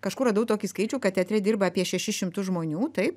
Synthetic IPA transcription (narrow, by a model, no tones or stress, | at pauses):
kɐʃkʊrɐd̪ɐʊt̪oːkʲiskɐɪt͡ʃʲuːkɐt̪t̪ʲɛt̪ʲɾʲɛdʲirbɐːpʲiɛʃʲɛʃʲɪʃʲɪmt̪ʊsʒmoːnʲuːt̪ɐɪp